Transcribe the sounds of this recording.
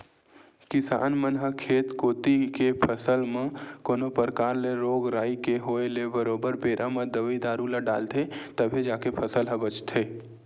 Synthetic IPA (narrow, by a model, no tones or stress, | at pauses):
kɪsa̰ːnmənɦəkʰeːt̪koːt̪ikepʰəsəlmãkoːnopəɾkaːɾleɾoːɡɾaːikeɦoːelebəɾoːbəɾpeːɾʔamə̃d̪əʋəid̪aːɾulaɖa̰ːlt̪ʰet̪əbʱed͡ʒaːkepʰəsəlɦəbət͡ʃt̪ʰeː